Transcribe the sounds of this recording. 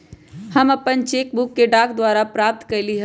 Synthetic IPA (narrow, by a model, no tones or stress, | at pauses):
həmɐpənt͡ʃeːk̚bʊkːeɖaːkd̪waːɾapɾaːp̚t̪kəɾliɦə